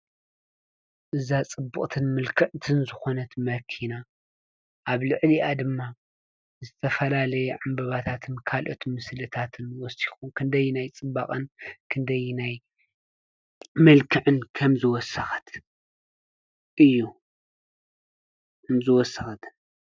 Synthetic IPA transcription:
ʔɨzat͡sʼɨbːɨkʼt̪ʰɨnmɨlkʰɨʕt̪ʰɨnzɨxo̞nɐt̪mɐkʰina | ʔaβlɨʕliʔad̪ɨmːa | zɨt̪ʰɐfɐlalɐjɛʕambɐβat̪ʰat̪ʰɨnkʰalʔo̞t̪mɨslɨt̪ʰat̪ʰɨnwɔsi̥xumkʰɨnd̪ɐjːunajt͡sʼɨba̰kʼɐnkʰɨnd̪ɐjnaj | mɨlkʰɨʕɨnkʰɐmzɨwɔsɐxɐ̥t̪ʰ | ʔɨjːu | kɐmzɨwɔsːɐxɐt̪ʰɨn

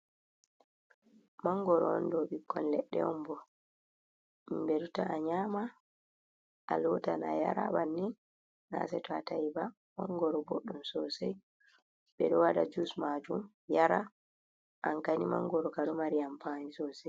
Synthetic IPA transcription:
maŋɡɔɾɔɔndɔɓikːɔnlɛɗːɛ̰ɔmbɔ | mbeɾutaaɲaːma | ʔalɔtanaja̰ɾa̰ɓanːi | na̰sɛtɔatajiba | maŋɡɔɾɔboɗːumsɔsɛj | ɓɛɗɔwaɗa̰d͡ʒusmad͡ʒum | jaɾa | ʔaŋkanimaŋːɡɔɾɔkaɗɔmaɾijampanisɔsɛj

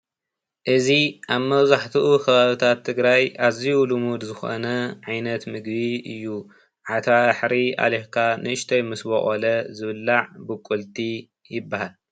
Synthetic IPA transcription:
ʔɨziʔaβmɐβzaħt̪ʰɨʔukʰɐβaβit̪ʰat̪ʰːɨɡɾajazijulumud̪zɨxo̰nɐʕajnɐt̪mɨɡbiɨjːu | ʕat̪ʰaħɾiʔa̰lekʰanɨɨʃt̪ʰɐjmɨsboχʼolɐzɨβɨlːaʕbɨkʼult̪ʰʼi | jɪbːahal

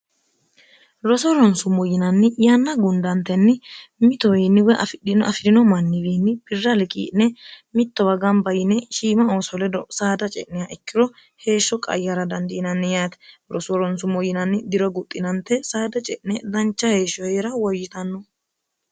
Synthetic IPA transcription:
ɾɔsɔɾɔnsʊmɔjɪnɐnːɪjanːɐɡʊnd̪ɐnt̪ːɛnːɪmɪt̪ɔwiːnːɪwɛʔɐ̰fɪɗɪnɐ̰fɪɾɪnɔmɐnːɪwiːnːɪb̥ɪrːɐlɪkʼḭːʔnɛmɪt̪ːɔwɐɡɐmbɐjɪnɛʃiːmɐoːsɔlɛd̪ɔsaːd̪ɐt͡ʃʼɛʔnɛjaʔɛkːɪɾɔ | he̞ːʃːɔkʼɐ̰jːɐɾɐd̪ɐnd̪ɪːnɐnːɪjaːt̪ɛ̥ɾɔsɔɾɔnsʊmɔjɪnɐnːɪd̪ɪɾɔɡʊt̪ʼːɪnɐnt̪ːɛsaːd̪ɐt͡ʃʼɛʔnɛd̪ɐnt͡ʃːɐhe̞ːʃɔɛɾɐwɔjːɪt̪ɐnːɔ

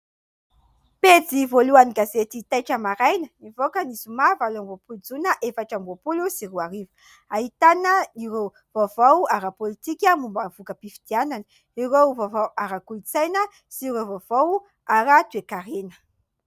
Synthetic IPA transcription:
ped͡zivoluaniɡazet̪it̪ajʈ͡ʂəmaɾajnənivokanizumavalamvopuld͡zunəʔefaʈ͡ʂamvopulusiruaɾivu̥ | aɦit̪anəiɾew | v̥ovawaɾapolit̪ikʲəmumbavukəpifi̥d̪̥ianani | iɾevovawaɾakuit͡sajnə | siɾevovow | aɾat̪uekaɾenə̥

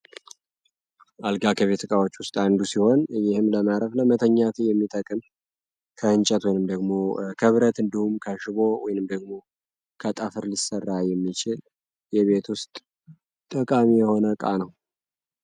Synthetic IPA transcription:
ʔalɡakʰəβe̞t̪ʰɨkʼawot͡ʃːwʊst̪ʼand̪usiho̞njɪhɨmləmaɾəfləmət̪ʰəɲːat̪ʰɨjɛmːit̪ʼəkʼɨm | kʰəɨnt͡ʃʼɛt̪wɔjnɨmd̪əɡmo̞kʰɨβɾət̪ɨnd̪ihumkʰəʃɪβo̞wɔ̰jnɨmd̪əɡmo̞ | kʰət̪ʼəfɨɾlisərːajɛmːit͡ʃɪl | jɛβe̞t̪ʰwʊst̪ʼ | t̪ʼəkʼamijɛho̞nəkʼa̰nəw

